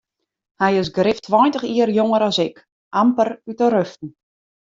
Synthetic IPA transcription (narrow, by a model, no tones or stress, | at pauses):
hɛjɪsɡrɪftʰʋɔjntəxiərjoŋəɾɔsɪk | ʔampərytəɾøftn̩